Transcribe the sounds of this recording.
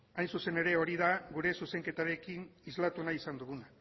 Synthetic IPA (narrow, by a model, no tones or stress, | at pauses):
ajnsuse̞ne̞ɾe̞o̞ɾiðaɣuɾe̞suse̞ŋke̞t̪aɾe̞kinizlat̪unaisand̪uɣuna